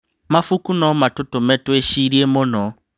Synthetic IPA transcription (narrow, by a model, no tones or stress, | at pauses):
mafukunɔmatʊtʊmɛtweʃiɾiemʊnɔ